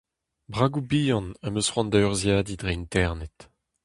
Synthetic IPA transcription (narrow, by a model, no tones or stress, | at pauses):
bʁaːɡubiːjɑ̃namøsχwɑ̃nd̪aʁzjaːd̪idʁeint̪ɛʁnɛt̪